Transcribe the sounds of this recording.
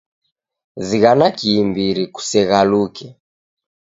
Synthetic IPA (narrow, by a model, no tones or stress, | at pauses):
ziɣanakiːmbiɾiku̥sɛɣalukɛ